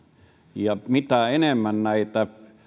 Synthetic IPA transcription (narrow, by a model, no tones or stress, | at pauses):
jɑmit̪æenemːænnæˑit̪ːæ